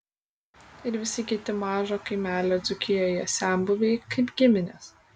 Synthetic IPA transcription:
ɪɾʋʲɪsʲɪkʲɪt̪ʲɪmɑːʒoːkɐɪmʲæːlʲoːd̪zʊkʲɪjoːjɛsʲæˑmbʊʋʲɛɪkɐɪpɡʲɪmʲɪnʲɛs

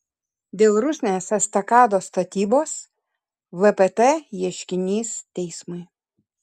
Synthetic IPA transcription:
d̪ʲeːlˠɾʊsʲnʲeːsɐst̪ɐkɑːd̪oːst̪ɐt̪ʲiːboːs | ʋɛpɛt̪ɛjiɛʃʲkʲɪnʲiːst̪ʲɛɪsmʊɪ

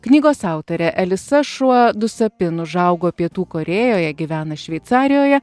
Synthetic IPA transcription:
knʲiːɡoːsɑˑʊt̪oɾʲɛʔɛlʲɪsɐʃuɔd̪ʊsɐpʲɪnʊʒɐˑʊɡoːpʲiɛt̪uːkoːɾʲeːjoːjɛɡʲiʋʲæːnɐʃʲʋʲɛɪt̪sɑːɾʲɪjoːjɛ

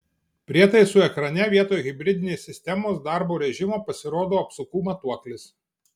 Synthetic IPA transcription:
pʲɾʲiɛt̪ɐɪsʊɛkɾɐnʲɛʋʲiɛt̪oːjɣʲɪbʲɾʲɪd̪ʲɪnʲeːsːʲɪsʲt̪ʲɛmoːsd̪ɑˑɾboːɾʲɛʒʲɪmoːpɐsʲɪɾoːd̪oːɐpsʊkuːmɐt̪uɔklʲɪs

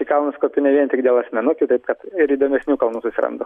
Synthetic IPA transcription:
ikɐlˠnʊskoːpʲʊnʲɛʋʲiɛnʲt̪ʲɪkd̪ʲeɛlˠɐsʲmʲɛnʊkʲʊt̪ɐɪp̚kɐt̪ɪɾiːd̪oːmʲɛsʲnʲuːkɐlˠnuːsʊsʲɪɾɐ̰nd̪o̰ː

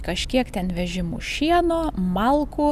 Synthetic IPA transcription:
kɐʃʲkʲiɛkt̪ʲɛnʋʲɛʒʲɪmṵʃʲiɛnoːmɐlˠku

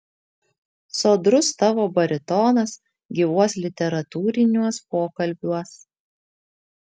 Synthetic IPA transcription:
soːd̪ɾʊst̪ɑʋoːbɐɾʲɪt̪ɔːnɐs | ɡʲiʋuɔslʲɪt̪ʲɛɾɐt̪uːɾʲɪnʲuɔspoːkɐlʲbʲuɔs

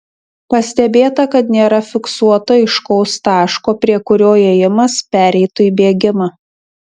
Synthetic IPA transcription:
pɐsʲt̪ʲɛbʲeːt̪ɐkɐt̪nʲeːɾɐfʲɪksuɔt̪ɐɪʃkɔʊst̪ɑːʃkoːpʲɾʲiɛkʊɾʲoːeːjɪmɐspʲæːɾʲɛɪt̪ʊiːbʲeːɡʲɪmɐ

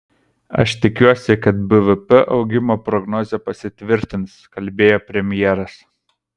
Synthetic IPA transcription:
ɐ̰ʃt̪ʲɪkʲuɔsʲɛkɐt̪bɨʋɨpɛʔɒ̰ʊɡʲɪmoːpɾɔɡnɔːzʲɛpɐsʲɪt̪ʲʋʲɪɾʲt̪ʲɪnskɐlʲbʲeːjoːpʲɾʲɛmʲjɛːɾɐs

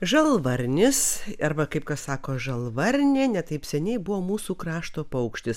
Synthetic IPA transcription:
ʒɐlˠʋɐɾʲnʲɪsɐrbɐkɐɪp̚kɐssɑːkoːʒɐlˠʋɐɾʲnʲeːnʲɛt̪ɐɪpsʲɛnʲɛɪbʊʋoːmuːsuːkrɑːʃt̪oːpɐʊkʃʲt̪ʲɪs

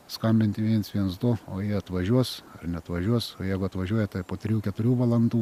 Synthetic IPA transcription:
skɐmʲbʲɪnʲt̪ʲɪʋʲiɛnsʋʲiɛnsd̪ʊoːjiɛɐt̪ʋɐʒʲuɔsɐrnʲɛɐt̪ʋɐʒʲuɔsoːjɛɪɡʊɐt̪ʋɐʒʲuɔjɛt̪ɐɪpoːt̪ʲɾʲjuːkʲɛt̪ʊɾʲuːʋɐlˠɐnd̪uː

